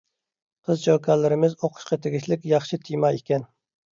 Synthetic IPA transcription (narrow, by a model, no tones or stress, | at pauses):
qʰəzd͡ʒʰowkʰɑlɪɾɪmɪzoqʰʊ̥ʃqɑt̪ʰeɡʲiʃlɪkʲjɑχʃit̪ʰijmɑekʲɛn